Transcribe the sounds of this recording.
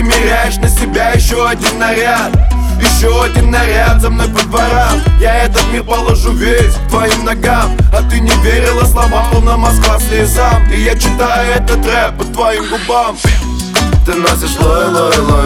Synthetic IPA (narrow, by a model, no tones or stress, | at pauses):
mʲɪɾʲajɪʂnəsʲɪbʲajɪɕːoɐdʲinːɐɾʲat̪jɪɕːoɐdʲinːɐɾʲad̪əmnəpəd̪vɐɾamjaɛt̪ət̪mʲirpəlˠɐʐuvʲesʲkt̪vɐimnɐɡamɐt̪ɨnʲɪvʲeɾʲɪlˠəslˠɐmalˠənamɐskasnʲɨjəzamkʲɪjat͡ɕɪt̪ajʊɛt̪ət̪ɾɛpət̪vɐimɡʊbam | t̪ɨnasʲɪʂlˠolˠolˠ